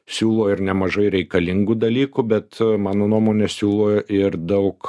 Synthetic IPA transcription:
sʲuːlˠoːɪɾnʲɛmɐʒɐɪɾʲɛɪkɐlʲɪŋɡud̪ɐlʲiːkʊbʲɛt̪mɑːnoːnuɔmoːnʲɛsʲuːlˠoːʔɪɾd̪ɐʊk

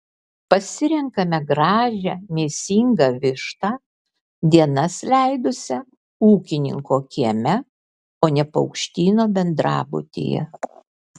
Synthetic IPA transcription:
pɐsʲɪɾʲɛŋkɐmʲɛɡɾɑːʒʲɛmʲeːsʲiːŋɡɐʋʲɪʃt̪ɑː | d̪ʲiɛnɐslʲæɪd̪ʊsʲɛ | uːkʲɪnʲɪ̰ŋkoːkʲiɛmʲɛ | oːnʲɛpɐʊkʃʲt̪ʲiːnoːbʲɛnd̪ɾɑ̰ːbʊ̰t̪ʲḛjɛ̰

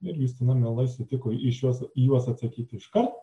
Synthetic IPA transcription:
ɪɾjuːst̪ʲɪnɐmʲɛlˠɐɪsʲɪt̪ʲɪkoːɪʃjuɔsjuɔsɐt̪sɐkʲiːt̪ʲɪɪʃkɐrt̪

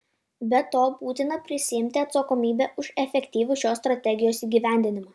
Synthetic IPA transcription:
bʲɛt̪oːbuːt̪ʲɪnɐpʲɾʲɪsʲɪɪmʲt̪ʲɪɐt̪sɐkoːmʲiːbʲɛʊʃɛfʲɛkʲt̪ʲiːʋʲʊʃʲoːst̪ɾɐt̪ʲɛɡʲɪjoːsiːɡʲiːʋʲæˑnʲd̪ʲɪnʲɪmɐ

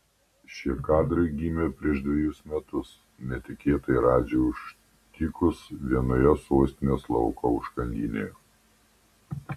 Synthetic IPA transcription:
ʃʲiɛkɑːd̪ɾɐɪɡʲiːmʲepʲɾʲiɛʃd̪ʲʋʲɛjʊsmʲɛt̪ʊs | nʲɛt̪ʲɪkʲeːt̪ɐɪɾɑːd͡ʒʲɛʊʃ | k̪ʲikʊsʋʲiɛnojɛsoːsʲt̪ʲɪnʲeːslˠɔ̰ʊkoʊʃkɐnʲd̪ʲiːnʲḛjo

